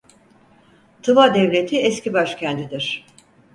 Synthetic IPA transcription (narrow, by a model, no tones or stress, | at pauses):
t̪ʰɯvad̪ɛvlʲet̪ʰiɛscibaʃcʰɛnd̪id̪iɾ̥